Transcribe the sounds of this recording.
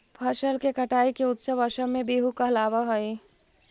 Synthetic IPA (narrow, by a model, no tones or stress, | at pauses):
pʰəʃəlkekəʈaːikeʊt̪səbəʃəbmẽbeːɦukəɦlaʋəɦəj